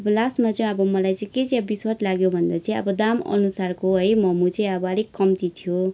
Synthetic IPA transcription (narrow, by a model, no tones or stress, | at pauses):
ʌbʌlasmat͡sʌj̃ʌbʌmʌlajt͡sʌ̃ĩket͡sjabiswʌt̪laɡjobʱʌnd̪at͡sʌ̃ĩʌ̰bʌd̪amʌ̰nusarkoɦʌjmʌmut͡sʌĩʌbʌʌlekːʌmt̪it̪ʰijo